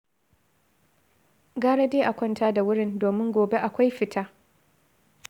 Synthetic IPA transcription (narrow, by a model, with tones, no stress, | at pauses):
ɡaː˦ɽa˦deː˦ʔa˨kʷɔ˦ntʰaː˦da˨wʊ˦ɽɪ˦˨ndoː˨mɪ˦ŋɡʷoː˨be˦ʔa˨kʷa˦jɸɪ˨tʰaː˦